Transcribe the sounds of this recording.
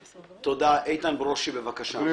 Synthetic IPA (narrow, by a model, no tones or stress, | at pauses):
t̪od̪aʔejt̪anbeʁoʃibevakaʃa